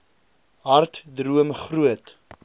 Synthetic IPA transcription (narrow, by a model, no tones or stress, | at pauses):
ɦɐrtdruəmχruət